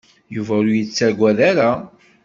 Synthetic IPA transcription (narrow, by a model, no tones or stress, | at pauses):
juvæɾʊjət͡sːæɡʷæðaɾa